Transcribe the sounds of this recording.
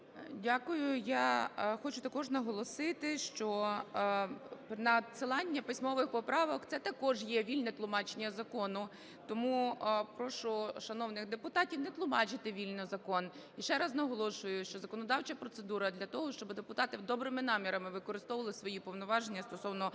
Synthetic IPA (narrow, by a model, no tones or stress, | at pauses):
dʲakʊjʊjaxɔt͡ʃʊt̪ɐkɔʒnɐɦɔlˠɔsɪt̪ɪʃt͡ʃɔ | pnɐsɪlˠɑnʲːɐpɪsʲmɔʋɪxpɔpɾɑʋɔkt̪sɛt̪ɐkɔʒjɛʋʲilʲnɛt̪lˠʊmɑt͡ʃenʲːɐzɐkɔnʊ | t̪ɔmupɾɔʃʊʃɐnɔwnɪxd̪epʊt̪ɑtʲiwnɛt̪lˠʊmɑt͡ʃɪt̪ɪʋʲilʲnɔzɐkɔn | iʃɛɾɐznɐɦɔlˠɔʃʊjʊʃt͡ʃɔzɐkɔnɔd̪ɑwt͡ʃɐpɾɔt̪sed̪uɾɐd̪lʲɐt̪ɔɦɔʃt͡ʃɔbɪd̪epʊt̪ɑt̪ɪd̪ɔbɾɪmɪnɑmʲiɾɐmɪʋɪkɔɾɪst̪ɔʋɐlˠɪsʋɔjipɔwnɔʋɑʒenʲːɐst̪ɔsɔwnɔ